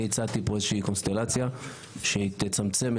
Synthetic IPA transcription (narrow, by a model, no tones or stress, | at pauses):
et͡sat̪ipoeʃikonst̪elat͡sja | ʃet̪et͡samt͡sem